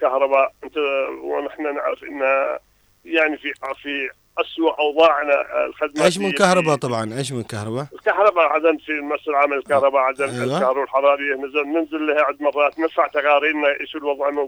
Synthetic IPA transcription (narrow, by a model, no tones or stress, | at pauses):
kahɾˤɑbaːʔʔɪnt̪awnɪħnanɪ̰ʕɾɪfʔə̰nːa | jaʕnififi | ʔaswaʔʔɑwðˤɑːʕna̰lxɪd̪meːʃ̬mmɪnːkahɾˤɑbat̪ˤɑbʕɑnʔeːʃ̬mɪnɪlkahɾˤɑbaəlkahɾˤɑbaʕad̪aːnfimasːɪlʕaːmalɪlkahɾˤɑbaʕad̪aːnajwakahɾˤɑbalħɑɾˤɑːɾɪjːanɪnzɪlːəhaʕad̪mɑrˤːɑːt̪nɪɾfaʕt̪aɣɑːɾiːɾnaʔḛːʃulwɑðˤʕɪn